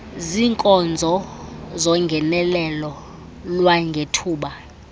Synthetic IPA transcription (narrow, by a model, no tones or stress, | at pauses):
ziŋkʼɔnd͡zʱɔzɔŋɡʱɛnɛlɛlɔ | lwaŋɡʱetʰuːɓa